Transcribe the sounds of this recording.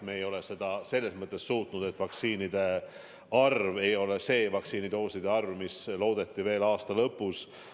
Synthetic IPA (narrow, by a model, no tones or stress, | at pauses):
me̞ːjo̞le̞se̞d̪ɑse̞lːe̞smɤt̪ːˑe̞sːuːt̪ˑnud̪̥e̞t̪ːˑvɑk̪siːnid̪̥e̞ | ɑrvejo̞le̞se̞ːvɑksiːnid̪o̞ːsid̪̥e̞ɑrvmislo̞ːd̪̥e̞t̪ːˑive̞ːlɑːst̪ɑlɤpːˑus